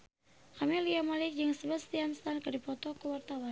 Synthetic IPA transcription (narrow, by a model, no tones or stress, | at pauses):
kamiliamalɪk̚d͡ʒəŋsəbəst̪ianst̪ankədipɔt̪ɔkəwart̪awa